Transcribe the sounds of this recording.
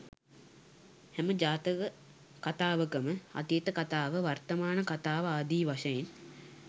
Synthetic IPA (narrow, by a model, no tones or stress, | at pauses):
hɛməd͡ʒaːt̪əʋə | kat̪aːʋəkəməɐ̰t̪ijet̪əkat̪aːʋəʋɐrt̪ɐmaːnəkat̪aːʋəad̪iːʋaʃɐjen